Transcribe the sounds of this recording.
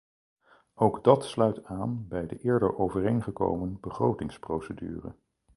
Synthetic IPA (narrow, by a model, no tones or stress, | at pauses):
owɡdɑtslœɥtaːnbɛjdə̰ʔɪːɹdə̰ɹʔowvərejnχəko̰wmənbəχrowtɪŋsprowsədy̰ːrə̰